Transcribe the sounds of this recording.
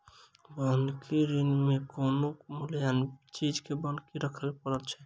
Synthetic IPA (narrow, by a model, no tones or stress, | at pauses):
bənkʰiɾinmekonomuljant͡ʃid͡ʒkebənkiɾəkʰəlpəɾət̪t͡ʃʰɛ